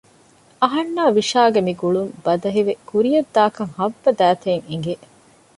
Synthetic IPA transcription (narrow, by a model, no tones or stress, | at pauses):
ɐɦɐnːaːʋiʃaːɡemiɡuɭumbɐd̪ɐɦiʋekuɾijɐd̪ːaːkɐŋhɐʋːɐd̪æːt̪eːŋiŋɡe